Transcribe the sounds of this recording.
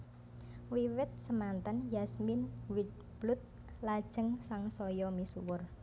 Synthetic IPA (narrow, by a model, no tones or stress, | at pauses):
wiwɪt̪̚səmant̪anjasmɪnwid̪̚ | b̥lʊt̪̚ | lad̥ʒ̥əŋsaŋsɔjɔmisuwʊr